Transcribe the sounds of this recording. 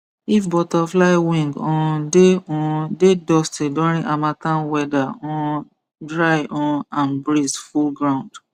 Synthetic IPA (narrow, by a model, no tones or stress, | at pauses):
ifbɔtaflaɪwĩŋɡɔ̃deɔ̃dedɔstedɔ̃ɾĩʔamatãnwɛdaɔ̃ | dɹajʔɔ̃nãnbɾizfulɡɾãʊ̃nd